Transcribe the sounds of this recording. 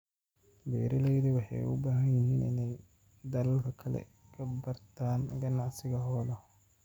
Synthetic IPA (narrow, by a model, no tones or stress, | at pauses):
bɛːɾɐlɛjðɐwɑħɑ̰jʊ̰baːɦɐnjɪɦiːnɪ̰nɛj | d̪ɐlɐlkʰɐkʰɐlɛ̰ | kʰɐbɐrt̪ʰaːnɡɐnɑʕsɪɣɐɦɔːlɐ